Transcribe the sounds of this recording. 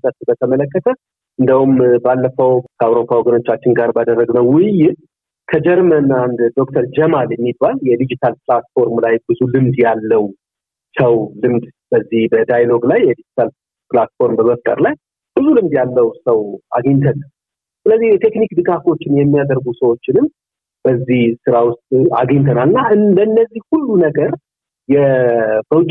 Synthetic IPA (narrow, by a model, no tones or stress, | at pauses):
t̪ʼət̪bət̪ʰəmələkːət̪ʰə | ɨnd̪əwumbalːəfəwkʰəawɾo̞pʰːawoɡəno̞t͡ʃːat͡ʃːɪnɡaɾbad̪ərːəɡnəwːɪjɪt̪ | kʰəd͡ʒɛɾmənand̪d̪o̞k̚t̪ʰəɾd͡ʒɛmaljɛmːibaljɛd̪id͡ʒit̪ʰalpɨlat̪fo̞ɾmlajbɨzulɨmd̪jalːəw | səwlɨmd̪b̥əzːihbəd̪ajlo̞ɡlajːɛd̪id͡ʒit̪ʰal | plat̪fo̞ɾmbəməft̪ʼə̰ɾlaj | b̥ɨzulɨmd̪jalːəwsəwʔa̰ɡəɲt̪ʰənal | sɨləzːiht̪ʰe̞knikd̪ɨɡafo̞t͡ʃːɪnjɛmːijad̪əɾɡusəwo̞t͡ʃːɪnɨm | b̥əzːihsɨɾawʊst̪ʼa̰ɡəɲt̪ʰənalɨnːaʔɨnlənːəzːihhulːunəɡəɾ | jɛb̥əwʊt͡ʃʼː